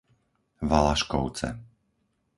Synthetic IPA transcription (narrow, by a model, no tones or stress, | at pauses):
ʋalaʃkɔʊt͡sɛ̰